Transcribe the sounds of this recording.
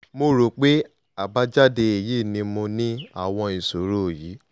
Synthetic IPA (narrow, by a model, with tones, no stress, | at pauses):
mo˧ɾo˨k͡pe˦ | a˨ba˦d͡ʒa˦de˧e˨je˦˨nĩ˧mõ˧nĩ˦a˦˨w̃ɔ̃˧ĩ˨so˨˦ɾo˦˨ji˨˦